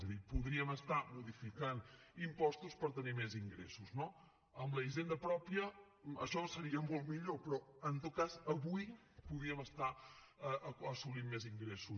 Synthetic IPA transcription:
zəðipuðɾiəməst̪amuðifikanimpɔst̪uspəɾt̪ənimɛziŋɡɾḛsuzno | əmləiʒend̪əpɾɔpiə | ə̰ʃɔsəɾiəmolˠt̪miʎopɾɔənt̪ot̪̚kazəβuj | puðɾiəməst̪a | əʔəəsulimmeziŋɡɾesu

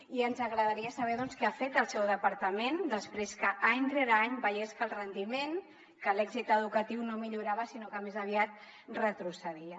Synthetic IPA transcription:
iənzəɣɾəðəɾiəsəβ̞ɛðɔnskɛafet̪əlˠsɛwðəpəɾt̪əmend̪əspɾeskəʔaɲt̪ɾeɾaɲbəjeskəlˠrənd̪imen | kəlɛɡzit̪əðukət̪iwnomiʎuɾaβəsinokəmezəβiat̪̚ | rət̪ɾusəðiə

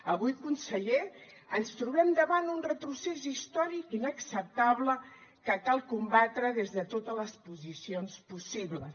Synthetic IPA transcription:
əβujkunsəʎe | ənst̪ɾuβɛmd̪əβanunrət̪ɾusɛsist̪ɔɾikinəksəp̚t̪aβləkəkalˠkumbat̪ɾəðezðət̪ot̪ələspuzisionspusiβlə̰

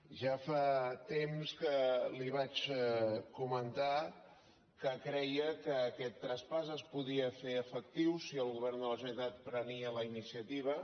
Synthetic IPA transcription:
ʒafat̪emskəliβ̞at͡ʃ | kumənt̪a | kəkɾɛjəkəːkɛt̪ːɾəspasəspuðiəfeɾəfək̚t̪iwsiəlˠɣuβɛrnd̪ələsunit̪at̪̚pɾəniələinisiət̪iβ̞ə

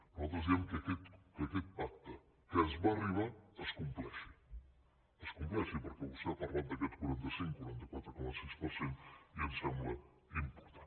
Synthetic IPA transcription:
nuzat̪ɾəzd̪iɛmkːkɛt̪kɐkɛt̪̚pak̚t̪ə | kəəzβariβaəskumplɛʃi | əskumplɛʃipəɾkɛβust̪ɛaparlat̪̚d̪əkɛt̪kuɾant̪əsiŋkːuɾant̪əkwat̪ɾəkomɐsispəɾsent̪iemsɛmblə | impuɾt̪an

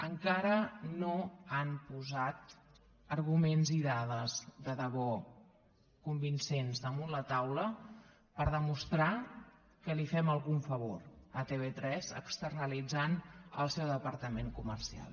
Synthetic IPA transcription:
əŋkaɾənoampuzat̪̚ | əɾɣumenziðað̞əzðəðəβɔ | kumbinsenzðəmunlət̪awlə | pəɾðəmust̪ɾa | kəlifɛməlˠɣuɱfəβoɾət̪eβ̞et̪ɾɛzə̰kst̪ərnəlid͡zanə̰lˠsɛwðəpəɾt̪əmeŋkuməɾsia̰lˠ

